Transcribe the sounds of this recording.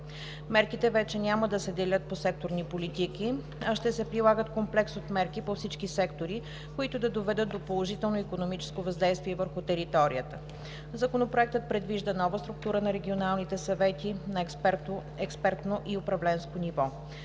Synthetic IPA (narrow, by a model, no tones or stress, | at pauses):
mɛɾkit̪ɛvɛt͡ʃɛnʲaməd̪ɐsɛd̪ɛlʲət̪̚posɛk̚t̪oɾnipolit̪iki | ɐʃt̪ɛsɛpɾilˠaɡət̪komplɛksot̪mɛɾkipofsit͡ʃkisɛkt̪oɾi | koit̪ʊd̪ɐd̪ovɛd̪ət̪d̪opolˠoʒit̪ɛlˠnoikonomit͡ʃɛ̥skovɐzd̪ɛjst̪viɛvəɾxʊt̪ɛɾit̪ɔɾḭət̪ə | zɐkonopɾoɛk̚t̪ət̪̚pɾɛd̪viʒd̪ənɔvəst̪ɾʊk̚t̪uɾənɐɾɛɡʲionalˠnit̪ɛsɐvɛt̪inɐ | ɛkspɛɾt̪noʔiopɾɐvlɛnskonivɔ